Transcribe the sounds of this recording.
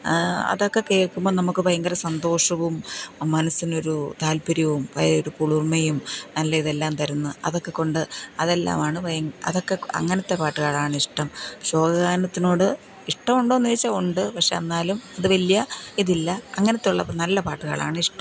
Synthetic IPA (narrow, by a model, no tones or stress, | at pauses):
ɐ̰ðo̞kːe̞kːeːɭkːumboːnɐmukːɨpɐjɐŋɡɐɾɐsɐnd̪o̞ːʂɐʋumːɐnɐsino̞ɾut̪aːlpiɾɐʋumpɐ̰joɾukuɭurmɐjumnɐlːɐiðe̞lːaːmt̪ɐɾunːuɐ̰ðo̞kːe̞ko̞ɳɖɨɐðe̞lːa̰ːmaːɳɨpɐjɐŋɐ̰ðo̞kːe̞ɐ̰ŋːɐnɐt̪ːe̞paːʈːɨɣaːɭaːɳɨiʂʈɐmɕo̞ːɡɐɣaːnɐt̪ːino̞ːɽɨ | iʂʈɐmuɳɖo̞ːnːiʋit͡ɕːɐoɳɖɨpɐkʂe̞ɐnːaːlumɐðɨʋɐlijɐiðilːɐɐŋːɐnɐt̪ːuɭːɐ̰nɐlːɐpaːʈːɨɣɐ̰ɭa̰ːɳɨiʂʈɐm